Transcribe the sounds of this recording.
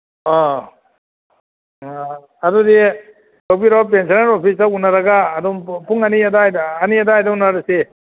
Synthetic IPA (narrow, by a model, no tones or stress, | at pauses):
ɔ | adɔde | dawpiɾawap̬ensanaɾopʰisaunaɾaɡaːdɔmpʰuŋaniadajdːniadaːjdaunaɾase